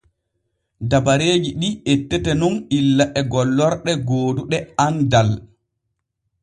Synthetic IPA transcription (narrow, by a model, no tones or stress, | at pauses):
dabaɾeːd͡ʒiɗietːɛtɛnɔnilːaʔɛɡɔlːɔɾɗɛɡoːduɗɛandal